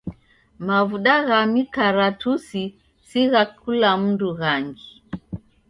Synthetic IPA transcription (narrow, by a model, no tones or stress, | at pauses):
mavuɗaɣamikaɾatusi | siɣakʰulam̩nduɣaŋɡi